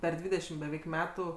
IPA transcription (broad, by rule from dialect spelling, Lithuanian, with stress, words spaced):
ˈpʲɛr ˈdʲʋʲiːdʲɛʃʲɪm bʲɛˈʋʲɛɪk ˈmʲæːtʊ